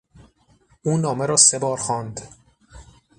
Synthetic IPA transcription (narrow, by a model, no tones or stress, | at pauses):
ʔuːnɒːmeɾɒːse̞bɒːɾxɒːnd̪